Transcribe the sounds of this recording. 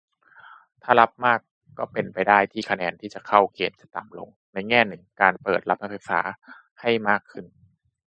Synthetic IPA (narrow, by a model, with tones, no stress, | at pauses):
t̪ʰaː˥˩la˦˥p̚maː˥˩kː | ɔː˥˩pe˧npa˧jdaː˥˩jt̪ʰiː˥˩kʰa˧nɛː˧nt̪ʰiː˥˩t͡ɕa˨˩kʰa˥˩wkeː˧mt͡ɕa˨˩t̪a˨˩mlo̰˧ŋ | na˧jŋɛː˥˩nɯ˨˩ŋkaː˧npɤː˨˩t̪̚la˦˥p̚nʰa˦˥pʰa˧˩jfa̰ː˩˦ | ha˥˩jmaː˥˩kʰːɯ˥˩n